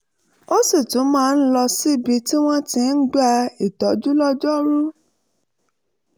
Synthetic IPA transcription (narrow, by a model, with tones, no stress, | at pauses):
o˦si˦˨tũ˨˦mãː˦˧n̩˦lɔ˧si˦˨bi˧ti˦w̃ɔ̃˦tĩ˧n̩˦ɡ͡ba˦i˨tɔ˨˦d͡ʒu˦lɔ˦d͡ʒɔ˦ɾu˦